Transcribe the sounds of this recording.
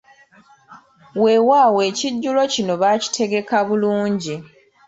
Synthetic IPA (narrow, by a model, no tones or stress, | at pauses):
we̞ːwaːweːciɟːulo̞cino̞βaci̥tʰe̞ɡe̞kaβuluːɲɟi